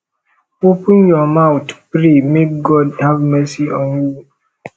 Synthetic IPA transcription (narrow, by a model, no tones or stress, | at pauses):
opə̃njɔmawtpɾemek̚ɡɔdhavmɛsiɔ̃nju